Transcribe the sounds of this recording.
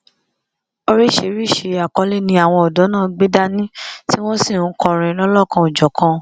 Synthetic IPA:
o˦ɾi˦ʃe˨˦ɾi˦˨ʃe˧a˨kɔ˨˦le˦˨nĩ˧a˦˨w̃ɔ̃˧ɔ˨dɔ˨˦nãː˦˨ɡ͡be˦da˦nĩ˦ti˦w̃ɔ̃˦sĩ˦˨nũ˨˦kɔ˧ɾ̃ĩ˧˦lɔ˦lɔ˦˨kã˧o˨d͡ʒɔ˨kã˧

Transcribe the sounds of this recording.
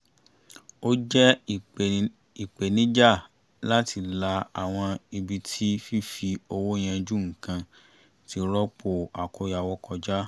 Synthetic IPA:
o˦d͡ʒɛ˦˨ | i˨k͡pe˨nĩ˦d͡ʒa˦˨ | la˦tʰi˧la˧a˨w̃ɔ̃˧i˧bi˧tʰi˦fi˦fi˧o˧wo˦j̃ɛ̃˧d͡ʒu˦ŋ̩˨kã˧ | ti˧ɾɔ˦k͡po˦˨a˨ko˨˧ja˨wɔ˧˦kɔ˧d͡ʒa˦

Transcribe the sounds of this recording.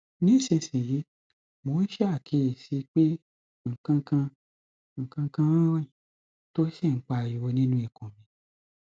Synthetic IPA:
nĩ˦˨ʃẽ˧˨sĩ˨ji˨˦ | mo˨˦ʃɛ˦a˦˨kʰe˧˨si˨˦k͡pe˦ | ŋ̩˨kã˧kã˧ | ŋ̩˨kã˧kã˧wã˦wã˦ĩ˨ | to˦ʃɛ˦˨ŋ̩˦k͡pa˧˨ji˨wo˧nĩ˦nũ˦i˦˨kũ˨mĩ˧

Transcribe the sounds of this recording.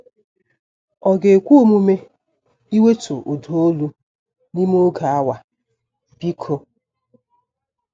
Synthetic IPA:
ɔ˨ɡe˨kʷu˦u˦mu˦me˦ | i˦we˦to˨ʔo˨do˨o˦lu˦ | ni˦m˦o˦ɡa˨a˦wa˨ | bi˦kʰo˦

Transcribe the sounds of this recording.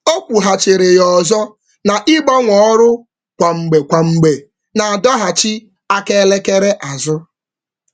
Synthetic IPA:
o˦kʷu˨ɦa˨t͡ʃe˨ɾe˨jɔ˨zɔ˦ | na˨ʔi˦ɡ͡bɔ˦ŋʷɔ˨˦ɾʊ˦ | kʷa˨ŋ͡m̩˨ɡ͡be˨kʷa˨ŋ͡m̩˨ɡ͡be˨ | na˨a˨dɔ˦ɦa˨t͡ʃi˦ | a˦ke˦le˦ke˦ɾe˦ʔa˨zʊ˦

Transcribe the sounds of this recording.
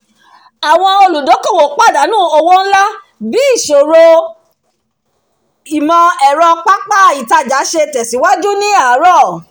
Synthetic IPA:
a˨w̃ɔ̃˧o˧lu˨do˨˦ko˦˨wo˨k͡pa˦˨da˨˦nũː˦˨o˧wo˦n̩˦la˦ | bi˨˦i˦˨ʃo˨ɾo˧ | i˨mɔ̃˧ɛ˨ɾɔ̃˧k͡pa˦k͡pa˦˨i˨ta˧d͡ʒa˨˦ʃe˧tɛ˨si˨˦wa˦d͡ʒu˦nĩ˦a˦˨˦ɾɔ˦˨

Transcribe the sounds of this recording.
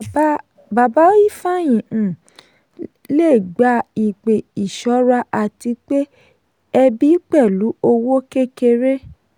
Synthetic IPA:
ba˨ba˦i˦fa˦˨j̃ĩ˨ | le˦˨ɡ͡ba˧˦i˨k͡pe˨i˨ʃɔ˨˦ɾa˧ʔa˨ti˧k͡pe˦ | ɛ˧bi˦k͡pɛ˦˨lu˨˦o˧wo˦ke˦ke˧ɾe˦

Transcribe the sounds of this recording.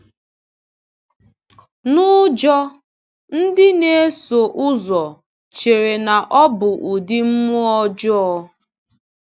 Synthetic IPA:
nʊ˦d͡ʒɔ˦ | n̩˦dɪ˦ne˦e˦so˨ʔʊ˦zɔ˨ | t͡ʃe˨ɾe˨na˨ʔɔ˦bʊ˨ʔu˨di˦m̩˦mʊ˦ɔ˦d͡ʒɔ˦ɔ˦

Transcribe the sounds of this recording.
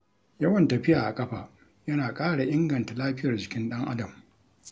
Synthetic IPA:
jɐ˦wɐ˨ntɐ˨ɸɪ˦jaː˨ʔa˨kʼɐ˦ɸaː˨ | jɐ˦naː˨kʼaː˦ɽa˨ʔɪ˦ŋɡɐ˨nta˨laː˦ɸɪ˦jɐ˨rd͡ʒɪ˨kʲɪ˦nɗɐ˦ŋʔa˦dɐ˨m

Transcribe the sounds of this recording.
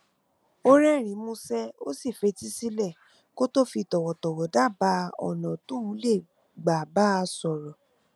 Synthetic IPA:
o˦ɾɛ˦˨ɾ̃ĩ˨˦mũ˧sɛ˦o̰˦si˦˨fe˧˦ti˦si˦lɛ˦˨ | ko˦to˦fi˧tɔ˨wɔ˨tɔ˨wɔ˨da˦˨ba˧˦ɔ̰˨nɔ̃˨tõ˦ũ˨˦le˦˨ | ɡ͡ba˨ba˦˧sɔ˨ɾɔ˨

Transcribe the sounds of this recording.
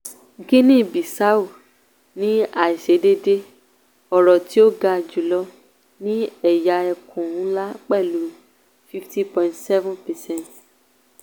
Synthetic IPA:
ɡĩ˦nĩ˦˨bi˨sa˨˦u˨ | nĩ˨˦a˨i˨ʃe˨˦de˦de˦ | ɔ˨ɾɔ˨ti˨˦o˦ɡa˧˨d͡ʒu˨˦lɔ˧ | nĩ˦ɛ˦˨ja˨˦ɛ˧kʰũ˨ũ˨˦la˦k͡pɛ˦˨lu˨˦ | fi˦fti˦pɔ̃˨ĩ˨ntsɛ˦vũ˦pɛ˨sɛ̃˦˨nt

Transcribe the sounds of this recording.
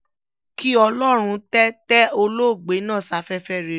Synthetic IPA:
ki˦ɔ˧lɔ˦ɾ̃ũ˧tɛ˦tɛ˦o˧lo˦˨ɡ͡be˨˦nãː˦˨sa˨˦fɛ˦fɛ˦ɾe˨

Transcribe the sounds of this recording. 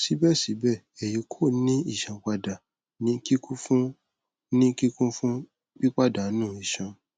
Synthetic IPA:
si˨˦bɛ˦˨si˨˦bɛ˦˨ɛ˨ji˨˦kʰo˦˨˦nĩ˦i˦˨ʃã˨k͡pa˧da˨ | nĩ˦ki˦kũ˦fũ˦ | nĩ˦ki˦kũ˦fũ˦ | k͡pi˦k͡pa˦˨da˨˦nũː˦˨i˨ʃã˨

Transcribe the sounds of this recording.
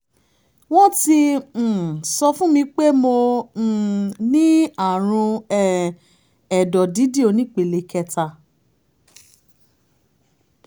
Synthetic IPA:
w̃ɔ̃˦ti˧˨ | sɔ˧fũ˦mĩ˧k͡pe˦mõ˧˨ | nĩ˦a˦˨ɾ̃ũ˧ɛ˦ | ɛ˨dɔ˨di˨˦di˦o˧nĩ˦k͡pe˨le˧kɛ˧˨ta˧˨

